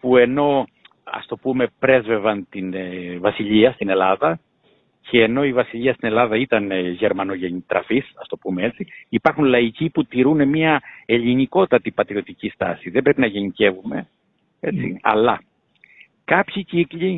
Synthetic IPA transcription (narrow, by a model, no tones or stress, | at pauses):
pue̞no̞ | ɐ̰st̪o̞pume̞pɾe̞zve̞vɐnt̪invɐsiʎiɐst̪ine̞lɐðɐ | cʰe̞ːno̞ivɐsiʎiɐst̪ine̞lɐðɐit̪ɐnʝe̞ɾmɐno̞ʝenit̪ɾɐ̰fisɐst̪o̞pumee̞t͡siipɐɾxunlɐiciput̪iɾune̞miɐe̞ʎiniko̞t̪ɐt̪ipɐt̪ɾio̞t̪icist̪ɐ̰siðe̞mbɾe̞pinɐʝe̞nice̞vume̞̰ | e̞t͡sḭɐ̰lɐ | kɐpçicikʎi